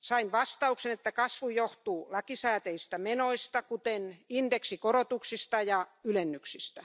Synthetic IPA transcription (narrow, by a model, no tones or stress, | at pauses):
sɑinʋɑst̪ɑuksenet̪ːækɑsʋujoht̪uːlɑkisæːt̪eist̪æmenoist̪ɑkut̪enind̥eksikorot̪uksist̪ɑjɑylenːyksist̪æ